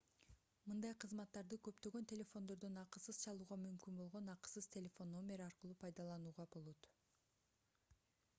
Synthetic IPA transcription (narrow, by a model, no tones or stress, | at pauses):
mɯnd̪ɑjqʰɯzmɑt̪ːɑɾd̪ɯkø̞pt̪ø̞ɡø̞nt̪ʰʲe̞lʲe̞fo̞nd̪o̞ɾd̪ønɑqɯsɯzt͡ʃʰɑlˠuːʁɑmymkynbo̞lˠʁo̞nɑqsɯz̥t̪ʰʲe̞lʲe̞fo̞nːo̞mʲe̞ɾɑɾqɯlˠuːpʰɑjd̪ɑlˠɑnuːʁɑbo̞lˠo̞t̪